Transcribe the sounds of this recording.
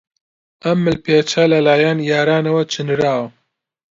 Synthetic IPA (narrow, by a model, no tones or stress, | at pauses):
ɐmːɨlpʰeːt͡ʃʰɐlɐlaːjanjaːɾaːnɐwɐt͡ʃʰɨnɾaːw